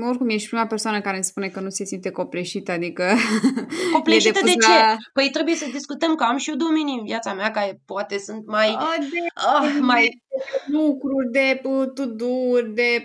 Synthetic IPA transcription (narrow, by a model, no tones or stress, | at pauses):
orkumje̞ʃ̬t̪̚pɾimape̞rsoanəkaɾenspune̞kənuse̞sint̪e̞ko̞pleʃit̪əad̪ikə | kopleeʃiet̪əd̪et͡ʃepəjt̪ɾe̞buje̞səd̪iskut̪əmkəamʃiod̪omininvjat̪sameakaɾe̞poat̪e̞sunt̪maj̪eəmajlukɾurʲd̪e̞pət̪ud̪urʲd̪e̞